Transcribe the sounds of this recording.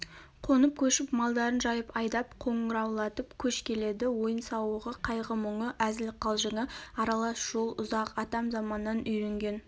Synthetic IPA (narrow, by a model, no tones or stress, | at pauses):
qʰo̞nəp̚kʲʰɵʃɪpmɑlˠd̪ɑɾənʒɑjəpɑjd̪ɑpqʰo̞ɴəɾɑwlˠɑt̪əpkʲʰɵʃkʲʰe̞le̞d̪ɪwo̞jənsɑwəʁəqʰɑjʁəmʊɴəʔæzɪlqʰɑlˠʒəŋəɑɾɑlˠɑsʒ̥o̞lˠʊzɑqɑt̪ɑmzɑmɑnːɑnʏjɾe̞ŋɡʲe̞n